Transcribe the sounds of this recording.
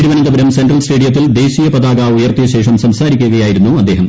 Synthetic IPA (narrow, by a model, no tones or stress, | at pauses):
ɽiʋɐnɐnɡ̪ɐbɐɾɐmseɳɖrɐlsʈe̞ːɖijɐt̪̬ːild̪e̞ːɕijɐpɐd̪aːɡaːujɐrt̪ijɐɕe̞ːʂɐmsɐmsaːɾikʲːuɣɐjaːjiɾunːuɐd̪ːe̞ːɦɐm